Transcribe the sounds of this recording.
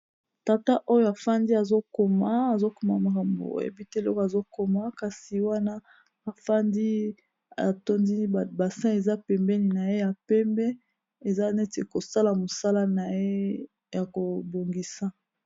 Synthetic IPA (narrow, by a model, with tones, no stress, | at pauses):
ta˨ta˦ʔo˦jo˨a˨fa˦ndi˦a˨zo˦ko˨maː˦˨zo˦ko˨ma˨ma˨ka˨mbo̰˨ḛ˨bi˦te˦˨lɔ̰˦ka˨zo˦ko˨ma˦ka˨si˨wa˦na˦ | a˨fa˦ndi˦ | a̰˨to˦ndi˦˨ba˨sɛ̃˦e˨za˦pɛ˨mbɛ˦ni˨na˨je˦ja˨pɛ˦mbɛ˦ | e˨za˦ne˦te˨ko˨sa˦la˨mo˨sa˦la˦na˨je˦ | ja˨ko˨bo˨ŋɡi˦sa˦